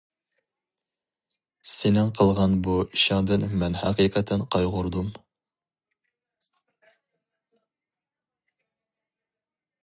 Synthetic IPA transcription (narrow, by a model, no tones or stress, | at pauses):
senɪŋqʰəlˠʁɑnbuiʃɑŋd̪ɨnmɛnhæqiːqʰət̪ʰɛnqʰɑjʁʊɾd̪um